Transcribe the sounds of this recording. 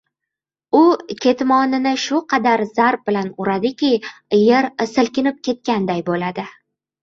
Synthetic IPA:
ʊkʲʰe̞t̪mɒnɪnɪʃʊqʰɑd̪aɾzaɾp̚bɪlanʊɾad̪ɪkʲʰɪjeɾsɪlkʲɪnɪp̚kʲe̞t̪̚kʲand̪ajbolad̪ɪ

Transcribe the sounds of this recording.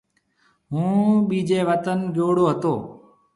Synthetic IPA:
ɦũːɓiːd͡ʒeːʋət̪ənɡjoːɽoːɦət̪oː

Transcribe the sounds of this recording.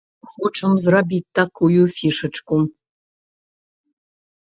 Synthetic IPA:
xʷuʈ͡ʂʰɨmzrabʲitːakʰujufiʂɨʈ͡ʂkʷʼu

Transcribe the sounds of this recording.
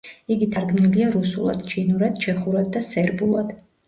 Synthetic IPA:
iɡit̪ʰaɾɡmniliaɾusulˠa̰d̪̥t͡ʃʰinuɾad̪̥t͡ʃʰɛχuɾad̪̚ːasɛɾbulˠad̪̥

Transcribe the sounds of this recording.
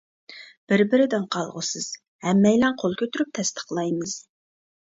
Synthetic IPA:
b̥ɪɾbɪɾɪd̪ɪnqʰɑlˠʁʊ̰sɨz̥ | hɛmːɛjlɛnqʰolˠkʲʰøt̪yɾyp̚t̪ʰɛst̪ʰə̥χlˠɑjmɨz̥

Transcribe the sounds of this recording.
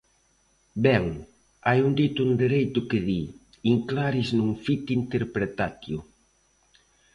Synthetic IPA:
bɛŋ | ajund̪it̪ʊund̪eɾejt̪ʊkɪði | iŋklaɾiznuŋfit̪int̪eɾpɾet̪at̪jʊ

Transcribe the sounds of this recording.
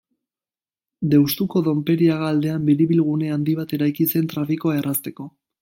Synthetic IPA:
d̪e̞wst̪uko̞ðo̞mpe̞ɾiaɣaːld̪e̞ambiɾiβilɣ̞une̞and̪iβat̪e̞ɾajkise̞nt̪ɾafikoaerast̪e̞ko̞

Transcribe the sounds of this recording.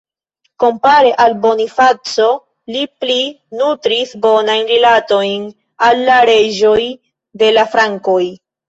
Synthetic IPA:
ko̞mpaɾe̞ʔalbo̞nifat͡so̞ | lipli | nutɾisbo̞najnɾilato̞jn | alːaɾe̞d͡ʒo̞j | de̞lafɾaŋko̞j

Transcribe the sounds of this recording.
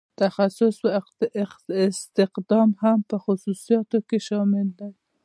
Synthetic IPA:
t̪axasʊswaɪɪst̪ɪqd̪ɑmhampəxʊsusijɑt̪okeʃɑmɪld̪aj

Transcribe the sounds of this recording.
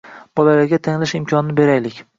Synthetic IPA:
b̥ɒlaɾaɡʲat̪ʰaŋlaʃɪmkʲʰɒnɪnɪbe̞ɾajlɪkʲ

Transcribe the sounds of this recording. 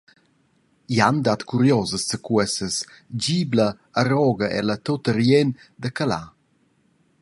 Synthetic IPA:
iand̪at̪kuɾjɔzəssəkuɛsəs | d͡ʑiːbləː | ɾɔɡəʔɛ̰lət̪ot̪əɾjɛn | d̪əkala̰

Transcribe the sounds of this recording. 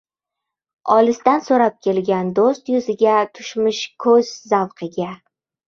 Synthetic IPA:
ɒlɪst̪ansoɾap̚kʲʰe̞lɡʲand̪ost̪jʊzɪɡʲat̪ʰʊ̥ʃmɪʃkʰɵzzawqʰɨɡʲa

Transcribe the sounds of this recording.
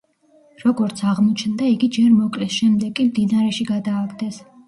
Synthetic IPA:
ɾɔɡɔɾt̪sʰaʁmɔt͡ʃʰnd̪aiɡid͡ʒɛɾmɔkʼlɛsʃɛmd̪ɛɡʼimd̪inaɾɛʃiɡad̪aːkʰʼd̪ɛs

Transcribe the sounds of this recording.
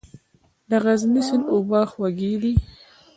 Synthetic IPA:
d̪aɣaznɪsɪnʊbɑːxwaɡed̪i

